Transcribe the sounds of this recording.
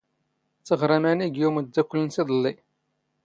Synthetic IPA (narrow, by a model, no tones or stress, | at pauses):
t͡sːəʁɾˤamæniɡjuməd̪ːækʷːlənsiðˤəlːi